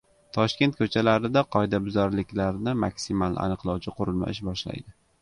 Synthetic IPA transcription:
t̪ʰɒʃkʲe̞nt̪̚kʰɵt͡ʃʰalaɾɪd̪aqʰɒjd̪abʊzɒɾlɪkʲlaɾnɪmakʲsɪmala̰nɨqlˠɒwt͡ʃʰɪqʰʊɾʊlma̰ɪʃbɒʃla̰jd̪ɪ

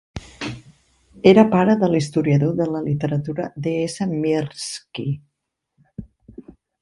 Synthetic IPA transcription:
eɾəpaɾəðəlist̪uɾiəðoðələlit̪əɾət̪uɾəd̪eesəmiɾski

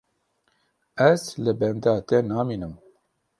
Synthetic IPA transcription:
ɛzlɨbɛnd̪ɑːt̪ɛnaːmiːnɨm

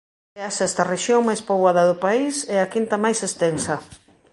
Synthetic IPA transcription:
ɛasɛst̪ɐreʃjoŋmajspoβaðɐðʊpaisɛakint̪ɐmajsest̪ensɐ

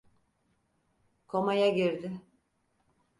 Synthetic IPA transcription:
kʰo̞majaɟiɾd̪ɪ

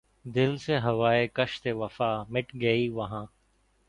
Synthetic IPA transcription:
d̪ɪlseːɦəʋaːeːkəʃt̪eːʋəfaːmɪʈɡəiːʋɐɦãː

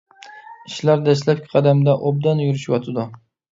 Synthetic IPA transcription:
ɪʃlaɾd̪aʃ̬lap̚kʲʰɪ̥qʰɑd̪amd̪aʔob̚d̪anjuɾɪʃwɒt̪ʰɪd̪ʊ

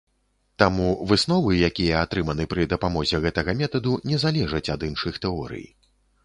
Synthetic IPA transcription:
t̪amuvɨsn̪ɔvɨjakʲijɐat̪ɾɨmɐnɨpɾɨd̪ɐpamɔzʲɛɣɛt̪ɐɣɐmʲɛt̪ɐd̪unʲɛzalʲɛʐɐt͡sʲad̪ɨnʂɨxt̪ɛɔɾɨ̰ji

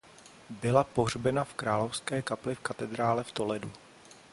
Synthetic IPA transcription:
bɪlapoɦr̝bɛnafkɾaːlofskɛːkaplɪfkat̪ɛd̪ɾaːlɛft̪o̞lɛdu

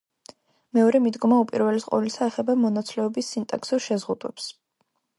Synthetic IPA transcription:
mɛɔɾɛmid̪ɡɔmaupʼiɾvɛlisqʼɔ̰lisaɛχɛbamɔnat̪sʰlɛɔbisːint̪ʼa̰ksuɾʃɛzʁud̪wɛ̰ps

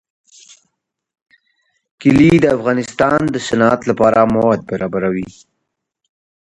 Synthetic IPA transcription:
kɪlid̪əafɣɑnɪst̪ɑnd̪əsanɑat̪lapɑɾamawad̪̚baɾɑbaɾawi

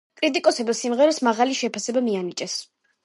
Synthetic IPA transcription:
kʼɾit̪ʼikʼɔsɛbisimʁɛɾɛsmaʁaliʃɛpʰasɛbamianit͡ʃʼɛs

